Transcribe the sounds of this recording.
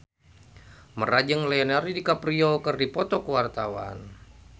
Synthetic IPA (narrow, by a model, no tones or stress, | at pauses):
mərad͡ʒəŋlaɔnaɾidikapɾiokərdipɔt̪ɔkəwart̪awa̰n